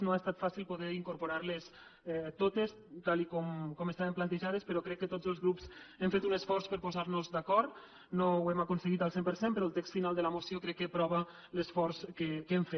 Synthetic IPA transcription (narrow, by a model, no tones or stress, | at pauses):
noaest̪at̪fasilˠpoðɛɾiŋkuɾpuɾaɾles | ɛt̪ot̪es | t̪alikɔmkɔmest̪aβemplant̪əʒað̞əspəɾɔkɾɛkːət̪od͡zəlˠzɣɾupsemfet̪unəsfɔɾspəɾpozaɾnuzd̪akɔɾt̪ | nowɛmakunsəɣit̪əlˠsempəɾsempəɾɔəlˠt̪ɛkst̪finalˠd̪ələmosjokɾɛkːəpɾɔβə | ləsfɔɾskəkemfe